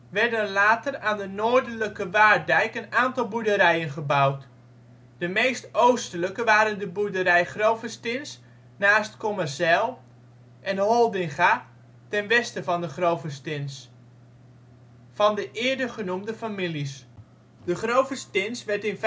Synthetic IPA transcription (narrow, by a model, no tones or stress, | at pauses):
ʋɛɹdənlaːtəraːndənoːɹdələkəʋaːɹdɛjkənaːntɑlˠbudəɾɛjənχəbawt | d̥əmejstowstələkəʋaːɾəndəbudəɾɛjχrowfəstɪns | naːstkomərsɛlˠ | ʔɛnɦɔlˠdɪŋχa | tɛnʋɛstəvɑndəχrowfəstɪns | fɑndəʔɪːəɹdəχənumdəfamilis | d̥əχrowfəstɪnsʋɛɹtɪnf